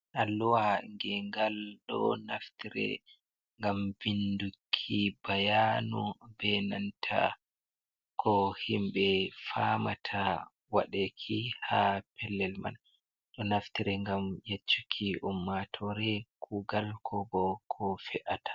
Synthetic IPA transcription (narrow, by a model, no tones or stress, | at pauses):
ʔalːuwaŋɡɛŋɡalɗɔ̰naftiɾɛ̰ | ŋɡamvindukʰːibajanubɛnantʰa̰ | kʰɔhimbɛfamatʰa | waɗɛkʰihapɛlːɛlma̰n | ɗɔnaftiɾɛŋɡamjat͡ʃːukʰiʔumːatʰɔɾɛkʰuɡalkʰɔbɔkʰɔfɛʔatʰḁ